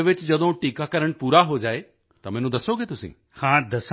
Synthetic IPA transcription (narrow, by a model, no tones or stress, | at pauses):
ʋɪt͡ʃd͡ʒɐd̪õʈiːkakɐɾəɽ̃puːɾaɦod͡ʒaːe | t̪ɐmẽːnũd̪ɐsoɡet̪ʊsḭ̃ː | hãːd̪ɐs